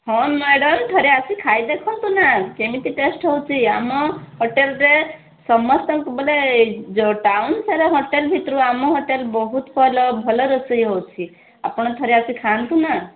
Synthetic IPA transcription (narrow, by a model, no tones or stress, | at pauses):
hɔmeɽɔmt̪ʰɔɾeasikʰajd̪ekʰɔnt̪unakemit̪iʈesʈɦɔwt͡ʃʰiamɔɦɔʈelɾe | sɔmɔst̪ɔmkubɔled͡ʒoʈawnsaɾɔɦɔʈelbʱit̪ɾuamɔɦɔʈelbɔɦut̪bʱɔlɔbʱɔlɔɾɔsəjɦowt͡ʃʰi | apɔɽ̃ɔt̪ʰɔɾeasikʰant̪una